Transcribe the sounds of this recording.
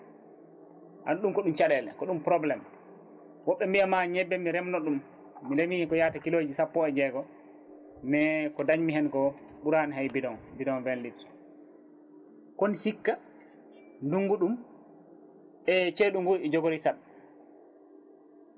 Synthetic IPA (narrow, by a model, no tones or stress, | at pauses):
ʔa̰nɗumkɔɗumt͡ʃaɗɛlɛ̰kɔɗumpɾɔblɛm | wɔɓːɛmbiamaɲɛbːɛmiɾɛmnɔɗumː | ilemikɔjatakilod͡ʒisapːɔɛd͡ʒɛɡɔ | nɛkɔdaɲmiɦɛnkɔɓuɾaniɦajbidɔnbidɔnvɛnlitɾ | kɔnhikːa | nduŋɡuɗum | ʔɛt͡ʃeɗuŋɡuɾɛd͡ʒɔɡoɾisaɗ